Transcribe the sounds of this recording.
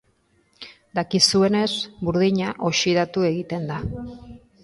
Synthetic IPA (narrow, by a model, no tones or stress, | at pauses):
d̪akisue̞ne̞sbuɾð̞iɲaʔo̞ʃiðat̪ue̞ɣit̪e̞nd̪a